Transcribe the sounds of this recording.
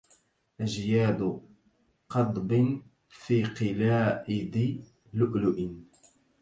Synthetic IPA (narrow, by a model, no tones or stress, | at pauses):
ʔaʒjaːd̪ | qɑd̪ˤbɪn | fiːqɪlaːʔɪd̪ɪ | lʊʔlʊʔɪn